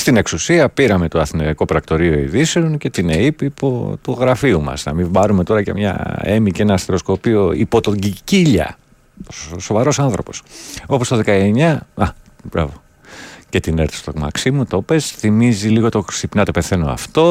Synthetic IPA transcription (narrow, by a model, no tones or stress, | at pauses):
st̪ine̞ksusiɐpiɾɐme̞t̪oɐθinoɐkopɾɐkt̪o̞ɾio̞ḭðiseonce̞t̪ineipipo̰t̪uɣɾɐfiumɐ̰snɐ̰mibɐɾume̞t̪o̞ɾɐcḛmɲɐ̰e̞micenɐːst̪eɾo̞skopio̞ḭpo̞t̪o̞ɟiciʎɐ̰ | oso̞vɐɾo̞sɐnθɾo̞̰po̞sopo̞st̪oðe̞kɐeɲɐɐb̥ɾɐ̰vo | ce̞t̪ineɾθi̥st̪oɣmɐ̰ksimut̪o̞pe̞sθimiziliɣo̞t̪o̞ksipnɐt̪e̞peθe̞no̞ɐ̰ft̪o̞